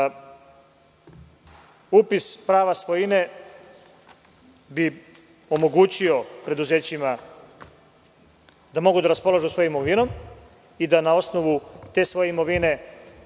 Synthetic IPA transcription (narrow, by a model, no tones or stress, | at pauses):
uːpispɾaːʋasʋojine̞ | bi | omo̞ɡut͡ɕio̞pɾe̞d̪uze̞ːt͡ɕima | d̪amo̞ɡud̪aɾaspo̞laʒusʋo̞jomoʋino̞m | id̪anao̞sno̞ʋut̪e̞ːsʋo̞jeimo̞ʋine̞